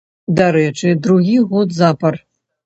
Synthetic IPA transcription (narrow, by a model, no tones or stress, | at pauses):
d̪aɾɛt͡ʂɨd̪ɾuɣʲiɣɔd̪zapɐr